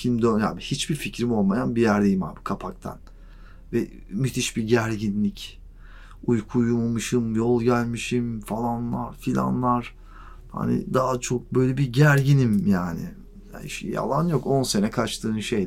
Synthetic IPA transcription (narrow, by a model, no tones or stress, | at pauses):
cʰimd̪ønja̰ːbihit͡ʃbiɾficɾimo̞lˠmajanbijæɾd̪ejimha̰ːbikʰapʰak̚t̪ʰa̰n | vɛ | myt̪ʰiʃbiɟæɾɟinlʲic | ujkʰujummɯʃɯmjo̞lˠɟælʲmiʃimfalˠanlˠaɾ̥filʲa̰nlˠaɾ̥ | ha̰nɪ̰d̪aːat͡ʃʰo̞k̚bø̞jlʲɛbiɟæɾɟinimjaːnɪ̰ | ja̰ḭʃija̰lˠanjo̞ko̞nse̞nɛkʰat͡ʃt̪ʰɯːnʃe̞j